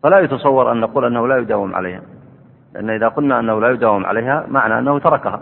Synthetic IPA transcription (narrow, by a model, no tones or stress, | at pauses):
falajʊt̪ɑsˤɑwːɑɾˤʔanːaquːlʔanːahʊlajʊd̪aːwɪmʕa̰la̰jha̰ | lɪʔa̰nːʔɪðaqʊlnaʔanːahʊlaːjʊd̪aːwɪmʕa̰lajɦhamaʕna̰ʔa̰nːahʊt̪ɑɾˤɑkaha